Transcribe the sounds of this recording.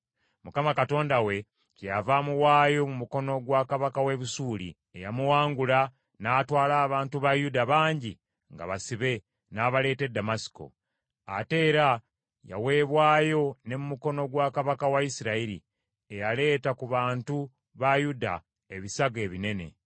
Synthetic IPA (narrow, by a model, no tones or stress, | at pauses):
mukamakato̞ːndawe̞ | cejavamuwaːjo̞mumuko̞no̞ɡwaːkaβakawe̞βusuːlḭ | ejamuwaːŋɡula | naːtwaːlaːβaːntuβajudaβaːɲɟi | ŋɡa̰βasiβe̞ | naːβale̞ːte̞dːamasi̥ko̞̰ | ate̞ːɾa | ja̰we̞ːβwaːjo̞ne̞mumuko̞no̞ɡwaːkaβakawaisiɾaiɾḭ | ejale̞ːtakuβaːntu | βajuda̰ | eβisaɡe̞ːβine̞ne̞̰